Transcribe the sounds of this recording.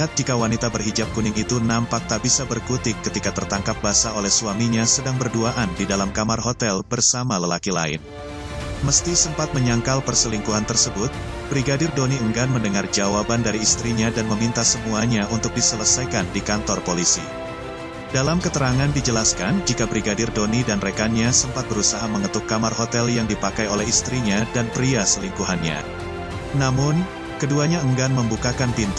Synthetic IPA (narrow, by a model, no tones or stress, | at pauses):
at̪̚d͡ʒikawanit̪abərɦid͡ʒap̚kunɪŋit̪unampak̚t̪aʔbisabərkut̪ɪkːət̪ikat̪ərt̪aŋkap̚basaolɛhsuamiɲasədaŋbərduaʔandidalamkamarɦot̪ɛlbərsamaləlakila̰ɪ̰n | məst̪isəmpat̪̚məɲaŋkalpərsəliŋkuɦant̪ərsəbʊt̪̚ | b̥ɾiɡadɪrdoniəŋɡanməndəŋard͡ʒawabandaɾiːst̪ɾiɲadanməmint̪asəmuaɲaunt̪ʊk̚disələsajkandikant̪ɔrpolisḭ | dalamkət̪əɾaŋandid͡ʒəlaskand͡ʒikabɾiɡadɪrdonidanrekanɲasəmpat̪̚bəɾusaɦaməŋət̪ukːamarɦot̪ɛljaŋdipakajolɛhist̪ɾiɲadanpɾiasəliŋkuɦanɲa̰ | namʊn | kəduaɲaəŋɡanməmbukakanpint̪